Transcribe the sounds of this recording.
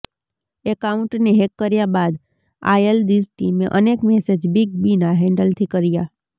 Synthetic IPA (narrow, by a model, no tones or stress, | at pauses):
ekauɳʈneɦekːəɾjabad̪ | a̰jəld̪isʈimeʔənekmɛsed͡ʒbiɡ̚binaɦɛ̃ɳɖəlt̪ʰikəɾija